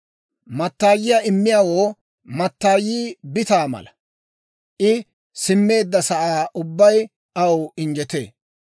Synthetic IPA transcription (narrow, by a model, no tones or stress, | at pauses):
mɐt̪ːaːjɪjaːɪmːɪjawo̞ː | mɐt̪ːaːjiːbɪt̪aːmɐ̰lɐ | ʔɪ | sɪmːe̞ːd̪ːɐsɐʔaːʔʊbːɐj | ɐwɪnd͡ʒɛt̪ḛː